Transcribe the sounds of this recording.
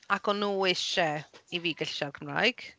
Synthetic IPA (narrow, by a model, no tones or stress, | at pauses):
akʰɔnːuːɪʃɛiviːɡəɬʃɔrkʰəmra̰jɡ̥